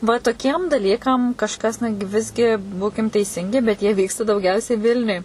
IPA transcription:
ʋɐ toːˈkʲiɛm dɐˈlʲiːkɐm kɐʃˈkɐs ˈnʊ ɡʲɪ ˈʋʲɪzʲɡʲɪ ˈbuːkʲɪm tʲɛɪˈsʲɪŋʲɡʲɪ bʲɛt ˈjiɛ ˈʋʲiːkstɐ dɐʊˈɡʲɛʊsʲɛɪ ˈʋʲɪlʲnʲʊj

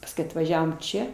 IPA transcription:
pɐsˈkʊɪ ɐtʋɐˈʒʲæːʋoːm ˈt͡ʃʲɛ

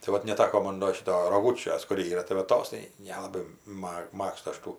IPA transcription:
tɐɪ ˈʋɐt nʲɛˈtɑːkoː ˈmoːn doː ˈʃʲɪtoː roːˈɡʊt͡ʃʲoːs kʊr ˈiːrɐ tɐɪ ʋɐ ˈtoːs tɐɪ ˈnʲæːlˠɐbɐɪ ˈmɐk ˈmɑːkstʊ ˈɐʃ ˈtuː

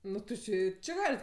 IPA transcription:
ˈnʊ tʲɪ ˈt͡ʃʲeː ɪ ˈt͡ʃʲɪ ˈɡɑːlʲɪt

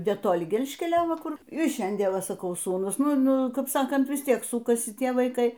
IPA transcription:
nʲɛtoːˈlʲɪ ˈɡʲɛlʲʃʲkʲɛlʲoː ˈʋɐ ˈkʊr ɪr ˈʃʲɛnʲdʲiɛn ˈʋɐ sɐˈkɐʊ ˈsuːnʊs ˈnʊ ˈnʊ kɐp ˈsɑːkɐnt ʋʲɪs ˈtʲiɛk ˈsuːkɐsʲɪ ˈtʲiɛ ʋɐɪˈkɐɪ

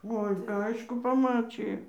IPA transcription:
ˈoːɪ ˈɐɪʃkʊ pɐˈmɑːt͡ʃʲɪjɛ

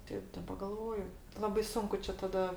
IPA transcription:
ˈtʲɛɪp dɐˈbɐ ɡɐlˠˈʋoːjʊ ˈlˠɑːbɐɪ ˈsʊŋkʊ t͡ʃʲɛ tɐˈdɐ

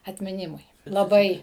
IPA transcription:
ɐtʲmʲɪˈnʲɪmʊɪ lˠɐˈbɐɪ

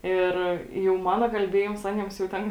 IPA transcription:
ˈɪr jɛʊ ˈmɑːnɐ kɐlʲˈbʲeːjɪms ˈɑːnʲiɛms jɛʊ ˈtʲɛn

